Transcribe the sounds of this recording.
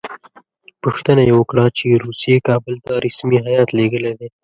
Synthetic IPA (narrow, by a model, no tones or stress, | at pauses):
pəxt̪ənajewəkɽat͡ʃeɾuːsijekɑːbəlt̪aɾɪsmiɦajɑːt̪leɡəled̪e